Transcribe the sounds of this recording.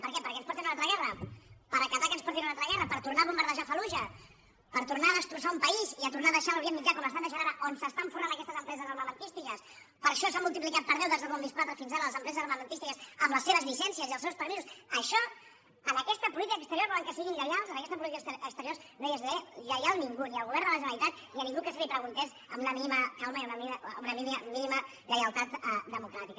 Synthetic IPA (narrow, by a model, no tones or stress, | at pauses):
pəɾkɛpəɾkɛnspɔɾt̪inunalt̪ɾəɣɛrəpəɾəkat̪akənspɔɾt̪̬inunalˠt̪ɾəɣɛrəpəɾt̪urnaβumbəɾðəʒafəluʒə | pəɾt̪uɾnaðəst̪ɾusaumpɐiziət̪urnaðəʃalβjemːid͡ʒakɔməst̪anəʒənaɾaʔonsəst̪aɱfurnanəkɛst̪əzəmpɾɛzəzəlməmənt̪ist̪ikəs | pəɾʃɔsamulˠt̪iplikat̪̚pəɾðɛwðezðəβɔnd̪iskwat̪ɾəfinzaɾələzəmpɾɛzəzəməmənt̪ist̪ikəsəmləseβəzβiʃɛnsiəziəlˠsewspəɾizusəʃɔ | ənəkɛst̪əpulit̪ikəkst̪əɾijoɾβɔləŋkəsiɣinʎəjalˠzənəkɛst̪əp̬ulit̪ikəəkst̪əɾioɾs | nojəzeʎəjalˠniŋɡuniəlˠɣuβɛɾnd̪ələʒənəit̪at̪̚niənĩŋɡukəsiɣipɾəɣunt̪ɛz | əmunəminiməkalˠməiunmiunəminiminimə | ʎəjəlˠt̪at̪d̪əmukɾat̪ikə